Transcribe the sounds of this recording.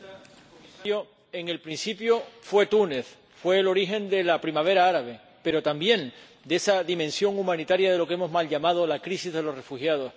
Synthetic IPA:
o | eŋe̞lpɾinsipjo̞fwe̞t̪une̞θ | fwe̞ːlo̞ɾiɦẽ̞nd̪e̞lapɾimaβ̞e̞ɾaaɾaβ̞e̞ | pe̞ɾo̞t̪ambje̞n | d̪eesaðimẽnsjo̞ŋumãnit̪aɾjað̞e̞lo̞ke̞mo̞zmalʎamað̞o̞lakɾisizðe̞lo̞re̞fuhjað̞o̞s

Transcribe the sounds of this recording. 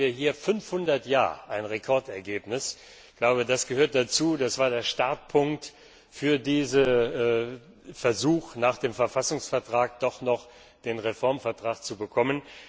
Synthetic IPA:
iːɐɦiːɐfʏnfhʊndɐtjaːɐʔaɪnʁekʰɔɐtɛɐɡeːpnɪs | ɡ̥laʊbədasɡ̥əhøːɐt̚d̥at͡suːdasv̥aːɐdeːɐʃtaɐt̚pʰʊŋkt | fyːɐdiːzə | fɛɐzuːxnaːχd̥eːmfɛɐfasʊŋsfɛɐtʁ̥aːk̚d̥ɔχnɔχ | d̥eːnʁefɔɐmfɛɐtʁ̥aːkt͡subəkʰɔmən

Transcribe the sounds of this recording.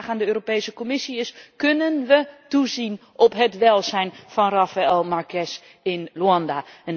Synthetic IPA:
χaːndəøːropejsəkomɪsiɪskønənʋətuzinʔɔpɦətʋɛlˠzɛjnfɑnrafaɛlˠmarkʰɛs | ɪnluɑndaən

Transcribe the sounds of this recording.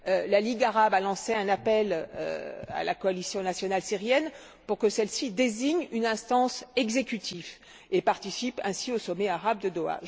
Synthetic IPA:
ølaliɡaʁabalɑ̃seɛ̃napɛlø̰a̰la̰kɔalisjɔ̃nasjɔnalsiʁjɛn | puʁkəsɛlsid̪eziɲynɛ̃st̪ɑ̃sɛɡzekʲyt̪ʰiv | epaʁt̪isipɛ̃siosɔmeaʁabd̪əd̪oa̰

